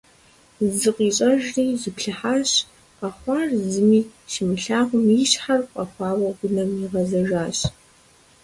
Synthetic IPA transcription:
zɨqʷʼiːɕʼɐʒriːzɨpɬɨħaːɕ | qʼɐχʷɑrzɨmiːʃɪmɨɬaːʁʷʊmiɕħarqʷʼɐxʷɑːwɐɡʷʊnɐmiʁɐzɐʒaːɕ

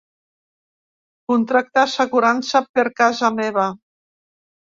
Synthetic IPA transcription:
kunt̪ɾak̚t̪aseɣuɾansapeɾkazameβ̞a

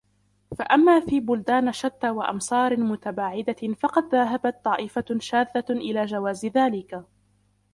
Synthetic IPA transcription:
faʔamːaːfiːbʊld̪aːnaʃat̪ːaːwaʔɑ̰msˤɑːɾmʊt̪abaːʕɪd̪afɑqɑd̪ðaɦabat̪̚ˤːɑːʔɪfaʃaːðːaʔɪlaːd͡ʒawaːzðaːlɪka

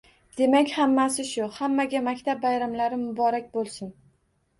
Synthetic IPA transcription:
d̪̥e̞makʲhamːasɪʃʊhamːaɡʲamakʲt̪ʰab̚ːajɾamlaɾɪmʊbɒɾakʲbolˠsɪn

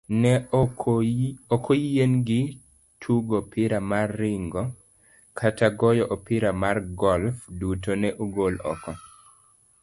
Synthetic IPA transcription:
nɛ | okʰɔjenɡɪ | tʰuɡopɪɾamarːɪŋɡɔ | kʰatʰaɡɔjɔʔopɪɾamarɡɔlfdutonɛʔuɡolɔ̰kɔ

